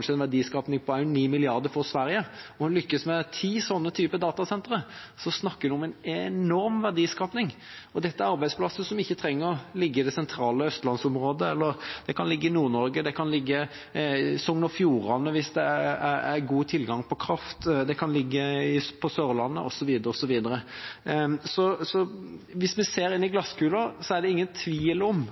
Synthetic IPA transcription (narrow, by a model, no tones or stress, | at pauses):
nʂəɛnʋæd̪iːskɑːpnɪŋpʰɔæɪniːmɪlɪɑɾd̪əɾfɔɾsʋæɾjəɔlʏkːəsmɛt̪ʰiːsɔnːət̪ʰyːpəd̪ɑːt̪ɑsɛnt̪ɾəsɔsnɑkːəd̪ɛɔmɛɪnɛnɔɾmʋæʁd̪iːskɑːpnɪŋ | ɔd̪ɛt̪ːəæɾɑɾbæɪd̪splɑsəsɔmɪçːət̪ʰɾɛŋːəɾɔlɪɡːəɪd̪ɛsɛnt̪ʰɾɑːləœst̪lɑnsɔmɾoːd̪əɛlːəɾd̪̥ɛkʰɑnlɪɡːəɪnuːɾnɔɾɡəd̪ɛkʰɑnlɪɡːə | sɔŋnɔfjuːɾɑnːəʋɪsd̪ɛææɾɡuːt̪ʰɪlɡɑŋpʰɔkʰɾɑft̪d̪ɛkʰɑnlɪɡːəɪpʰɔsøːɾlɑnːəʔɔsɔʋiːd̪əɾəɔsɔʋiːd̪əɾə | sɔsɔʋɪsmɛseːɾɪnːɪɡlɑskʰʉːləɾsɔæʁd̪ɛɪŋːənt̪ʰʋiːlɔm